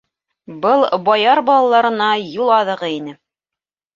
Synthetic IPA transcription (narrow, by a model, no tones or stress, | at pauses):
bɤlˠbɑjɑɾbɑlˠɑlˠɑɾɤ̆nɑjulˠɑðɤ̆ʁɤinɘ